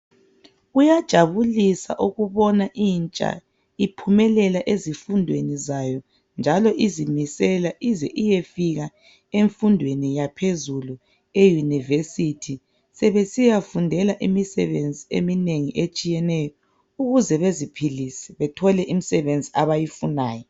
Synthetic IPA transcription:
ujad̥ʒ̥ʱaβulisa̰ʔuɣuβɔnaʔiːnt͡ʃʼa̰ | ipʰumɛlɛlaʔezifundʱwenizajɔ | nd͡ʒʱalɔʔizimisɛlaʔizɛʔijefiɣa | eɱfundʱwenijapʰezulu | ejunivesitʰi | sɛβesijafundʱɛlaʔimisɛ̰βend͡zʱiḛmineŋiʔet͡ʃʼijɛnɛjɔ | uɣuzɛβezipʰilisɛ̥βɛtʰɔlɛʔimisɛβend͡zʱiaβajifunaːjɔ

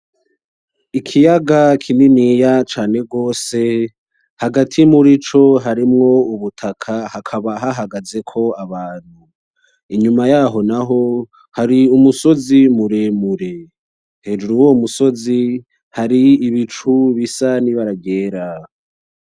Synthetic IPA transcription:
ikʰijaɡakʰininijat͡ʃaːne̞ɡo̞ːse̞ | haɡatʰimuɾit͡ʃo̞ɦaɾimŋo̞uβutʰakʰahakʰaβaɦaɦaɡaze̞kʰo̞aβaːn̥hu | iɲumajaɦo̞naɦo̞ | haɾiumuso̞zimuɾemuɾe̞ | he̞ːd͡ʒuɾuwoumuso̞zi | haɾiːβit͡ʃuβisaniβaɾaɡe̞ːɾa

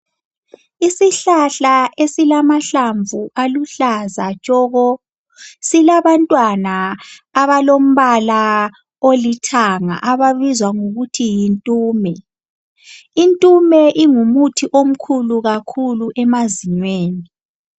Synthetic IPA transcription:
isiɬaɬaʔesilamaɬaɱvuʔaluɬazat͡ʃʼɔɣɔ | silaβantʼwanaː | βalom̩βala | olitʰaŋa̰ʔaβaβizwaŋuɣutʰijintʼuːmɛ | intʼumɛʔiŋumutʰiʔom̩kʰuluɣakʰuluʔɛmaziɲweːni

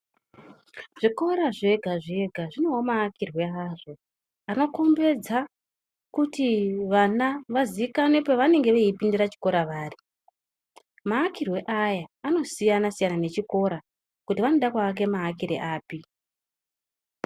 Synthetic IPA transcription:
ʐiko̞ɾaʐe̞ɡʱaʐe̞ɡʱaʐino̞ɦomaːkirwe̞aʐo̞ | ano̞ko̞mbe̞d͡za | kutiʋanaʋaziikane̞poʋane̞ŋɡe̞ʋeipindiɾat͡ʃi̥ko̞ɾaʋaːri | maːkirwe̞ʔajaːno̞sijanasijanane̞t͡ʃiko̞ɾa | kutiʋanoɗakwaːk̬e̞maːkiɾe̞̰ʔaːpi

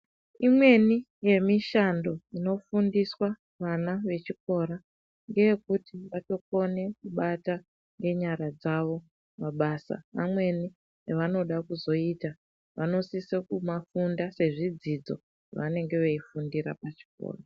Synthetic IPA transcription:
imwe̞ni | je̞miʃando̞ino̞fundiswa | ʋanaʋe̞t͡ʃik̚o̞ɾa | ŋɡe̞jekutiʋato̞ko̞ne̞kuɓata | ŋɡe̞ɲaɾad͡zaʋo̞ | maɓaːsa̰ʋamwe̞ni | eʋano̞ɗakuzo̞ita | ʋa̰no̞sisekumafundase̞ʐid͡zid͡zo̞̰ | ʋane̞ŋɡe̞ʋeifundiɾa̰pat͡ʃi̥ko̰ːra

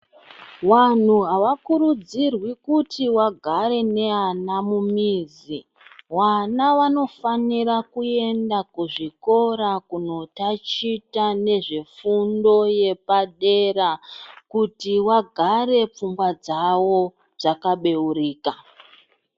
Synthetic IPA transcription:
wan̤uɦaʋakuɾud͡zirwikutʰiwaɡʱaɾe̞ne̞anamumiːzi | wanaʋano̞faniɾakue̞ndakuʐiko̞ɾakuno̞tat͡ʃitane̞ʐefundo̞je̞paɗe̞ɾakutiwaɡʱaɾe̞p͡fumɡwad͡zawo̞ | b͡ʐakaɓe̞uɾiːka

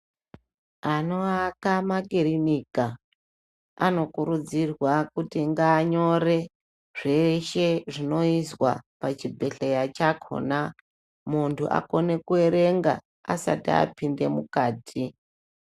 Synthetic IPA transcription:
ano̞akamaɡeɾinika | a̰no̞kuɾud͡zirwakutiŋɡaːɲo̞re̞ | ʐ̥e̞ʃe̞ʐino̞iswa̰pat͡ʃibʱe̞ɬejat͡ʃakʰo̰na | muntʰuʔa̰ko̞ne̞kue̞ɾe̞ŋɡa̰ | a̰sa̰tia̰pinde̞mukaːtʰi

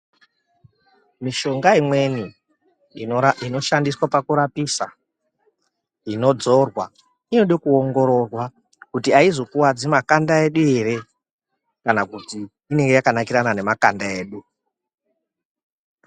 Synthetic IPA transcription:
miʃo̞ŋɡaimwe̞ni | ino̞ʃandiswapakuɾapisa | ino̞d͡zo̞rwa | ino̞ɗokuoŋɡo̞ɾo̞rwa | kutiaizo̞kuwad͡zimakandae̞ɗue̞ɾe̞ | kanakutiː | ne̞ŋɡe̞jakanakiɾanane̞makandae̞ːɗu

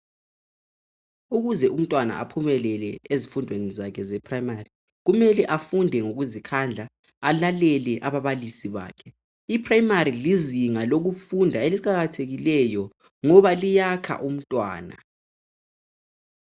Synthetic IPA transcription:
uɣuzɛʔum̩tʼwana̰ʔa̰pʰumɛlɛlɛezifundʱwenizakʰɛzɛpʰrajimari | ɣumɛlɛʔafundʱɛŋoɣuzikʰand͡ɮʱaː | lalɛlɛʔaβaβalisiβa̰ːkʰɛ | ipʰrajimaɾiliziŋaloɣufundʱaeliǃaɣatʰeɣilɛjɔ | ŋɔβalijakʰa̰ʔum̩tʼwa̰ːna̰

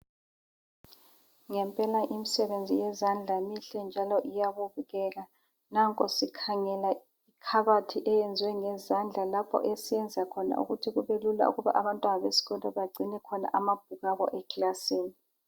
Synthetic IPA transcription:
ŋɛmpʼɛlaʔimisɛβend͡zʱijɛzand͡ɮʱamiɬɛnd͡ʒʱalɔʔijaβuvuɣɛɣa | naŋkʼɔsikʰaŋɛla | ikʰaβatʰiʔɛjɛnd͡zʱwɛŋɛzand͡ɮʱalapʰɔ̰ʔesijɛnd͡zʱakʰɔna̰ʔṵɣutʰiɣuβelula̰ṵɣuβa̰ʔaβantʼwanaβesi̥ɣɔndʱɔβaɡ͡ǀʱinɛkʰɔna̰ʔamab̥̚ʱuɣaβɔ̰ʔɛklasiːni

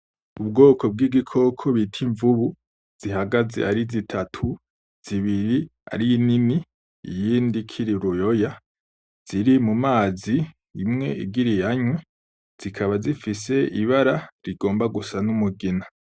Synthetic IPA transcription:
ubɡo̞ːkʰo̞b̚ɡiːɡikʰo̞kʰo̞βitʰiɱvuβu | z̥iɦaɡazḛʔaɾizitʰatʰu | z̥iβiɾia̰ɾinini | ḭjiːndikʰiɾiɾujo̞ja | z̥iɾimumaːziː | mŋe̞̰iɡiɾijaɲwe | z̥ikʰaβazifise̞iβaɾaɾiɡo̞ːmbaɡusanumuɡina

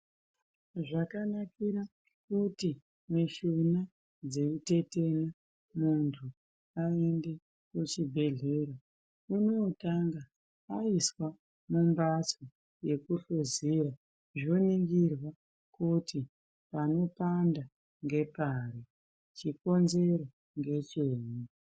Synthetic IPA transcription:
ʐakanakiɾa | kuti | miʃuna | d͡zeute̞te̞na | muntʰu | aende̞ | kut͡ʃibʱe̞ɮe̞ːɾa | uno̞taŋɡa | aiswa | mumbat͡so | je̞kuɬoziɾa | ʐoniŋɡirwa | kuti | pano̞panda | ŋɡe̞paɾi | t͡ʃiko̞nze̞ɾo | ŋɡe̞t͡ʃeːɲi

